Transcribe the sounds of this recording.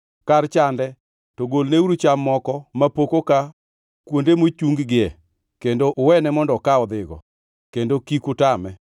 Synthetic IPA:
kart͡ʃandɛ | toɡolneuɾut͡ʃamːɔkɔmapokoka | kwondemot͡ʃuŋɡɡɪɛ | kendoʔwɛnɛmɔndɔkaɔd̪ɪɡɔ̰ | kendokikʊtamɛ

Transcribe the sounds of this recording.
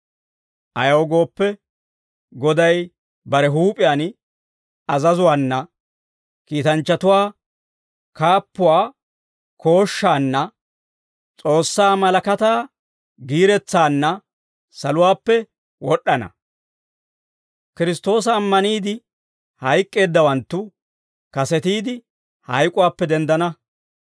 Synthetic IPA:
ʔɐjɐwɡo̞ːpːɛ | ɡɔd̪ɐj | bɐɾɛɦuːpʼɪjaːn | ɐzɐzʊwaːnːɐ | kiːt̪ɐnt͡ʃːɐt̪ʊwaː | kaːpːʊwaː | kʰo̞ːʃːaːnːɐ | t͡sʼo̞ːsːaːmɐlɐkɐt̪aː | ɡiːɾɛt͡sːaːnːɐ | sɐlʊwaːpːɛ | wɔɗːɐnɐ̰ | kɪɾɪst̪o̞ːs̬ɐːmːɐniːd̪ɪ | hɐjkʼːe̞ːd̪ːɐwɐnt̪ːʊ | kɐsɛt̪iːd̪ɪ | hɐjkʼʊwaːpːɛd̪ɛnd̪ɐnɐ

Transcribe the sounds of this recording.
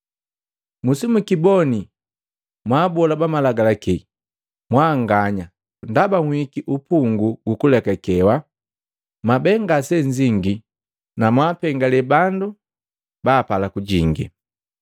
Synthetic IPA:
musimukibɔni | mwabɔlabamalaɡalaki | mwaŋɡaɲa | ndabaŋwikiʔupuŋɡuɡukulɛkakɛwa | mabɛŋɡasɛɲd͡ʒiŋɡi | namwaːpɛŋɡalɛbandu | baːpalakuɟiŋɡḭ

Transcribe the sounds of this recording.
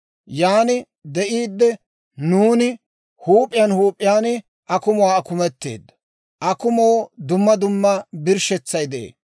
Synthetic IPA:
jaːnɪ | d̪ɛʔiːd̪ːɛ | nuːnɪ | huːpʼːɪjɐnhuːpʼːɪjaːn | ʔɐkʊmʊwaːkʊmɛt̪ːḛːd̪ːɐ̥ | ʔɐkʊmoːd̪ʊmːɐd̪ʊmːɐbɪɾʃɛt͡sːɐjd̪ɛḛː

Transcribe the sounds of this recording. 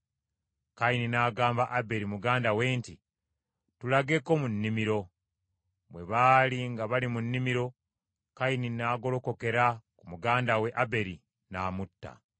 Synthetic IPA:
kaininaːɡaːmbaʔabe̞ɾimuɡaːndawe̞ːnti | tulaɡe̞ko̞munːimiɾo̞ | mwe̞βaːliŋɡaβalimunːimiɾo̞ | kaininaːɡo̞lo̞ko̞ke̞ɾakumuɡaːndawe̞ʔabe̞ɾi | naːmutːa̰

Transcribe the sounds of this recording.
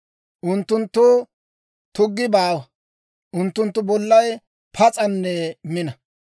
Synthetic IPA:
ʔʊnt̪ːʊnt̪ːʊ | t̪ʊɡːɪbaːwɐ | ʔʊnt̪ːʊnt̪ːʊbɔlːɐj | pʰɐt͡sʼɐnːɛmɪnɐ

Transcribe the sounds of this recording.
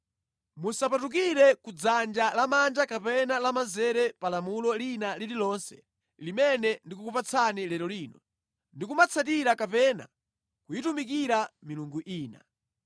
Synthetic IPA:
musapatuk̬iɾɛkud͡zand͡ʒalamand͡ʒakapɛnalamazɛɾɛpalamulɔlinalililɔnsɛ̥̰ | limɛnɛndikukupat͡sʰanilɛɾɔliːnɔ | ndikumat͡sʰat̬iɾakapɛna̰ | kujitumik̬iɾamiluŋɡuʔiːna̰

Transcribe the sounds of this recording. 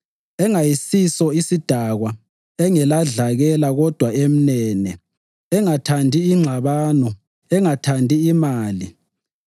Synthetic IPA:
ɛŋajisisɔisid̥ʱaɣwa | ɛŋɛlaɮaɣɛlaɣɔd̥ʱwaem̩nɛnɛ | ɛŋatʰandʱiːŋ͡ǁʱaβaːnɔ | ɛŋatʰandʱiːmaːli

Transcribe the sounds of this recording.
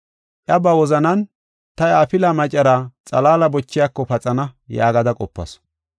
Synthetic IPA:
ʔjɐbɐwɔzɐnɐn | t̪ɐjaːpɪlɐmɐt͡ʃʼːɐɾɐt͡sʼɐlaːlɐbɔt͡ʃːɪjakːɔpɐt͡sʼɐnɐjaːɡɐd̪ɐkʼɔpːɐ̰s

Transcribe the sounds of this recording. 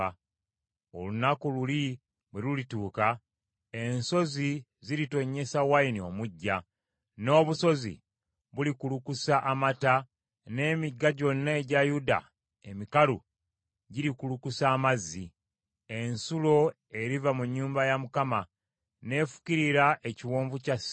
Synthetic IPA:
o̞̰lunakululi | βwelulituːka | enso̞zi | ziɾito̞ɲːe̞sawainio̞muɟːa | no̞ːβuso̞zḭ | βulikulukusaʔamata | ne̞ːmiɡːaɟo̞nːaeɟajuda̰ | emikalṵ | ɟiɾikulukusaːmazːi | e̞nsulo̞ | e̞ɾivamuɲːuːmbajamukama | ne̞fu̥ciɾiɾaʔe̞ciwoːɱvucas

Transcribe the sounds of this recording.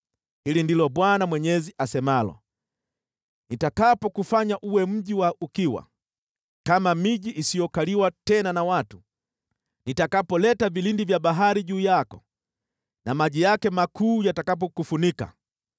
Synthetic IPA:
hilindilɔɓwanamwɛɲɛziʔasɛmalɔ̰ | nitakapɔkufaɲaʔuwɛm̩ʄiwaukiwa̰ | kamamiʄiʔːsijɔkaliwatɛnanawatu̥ | nitakapɔlɛtavilindivjaɓaɦaɾiʄuːjakɔ | namaʄijakɛmakuːjatakap̬ɔkufunika̰

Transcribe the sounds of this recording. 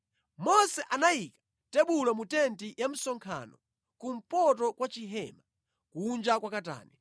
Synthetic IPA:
mɔsɛʔanaikḁ | tɛɓulamutɛntijam̩sɔŋkʰa̰nɔ | kum̩pɔtɔkwat͡ʃiɦɛːma | kund͡ʒakwakata̰ːnɛ

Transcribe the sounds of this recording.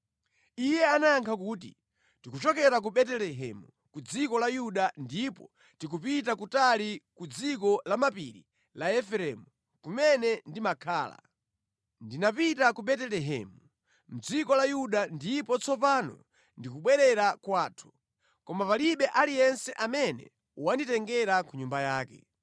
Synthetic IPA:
ijɛanajaŋkʰakuːtḭ | tikut͡ʃɔkɛɾak̬uɓɛtɛlɛɦɛ̰mu | kud͡zikɔlajuɗandipɔ | tikupitakutalikud͡zikɔlamapḭɾḭ | laɛfɛɾɛmu | kumɛnɛndimakʰaːla̰ | ndinapitakuɓɛtɛlɛɦɛ̰ːmu | m̩d͡zikɔlajuɗandipɔt͡sʰɔpanɔ̰ | ndikuɓwɛɾɛɾakwaːtʰu̥ | kɔmapaliɓɛʔalijɛnsɛʔamɛnɛ̰ | wanditɛŋɡɛɾakuɲumbajaːkɛ̰

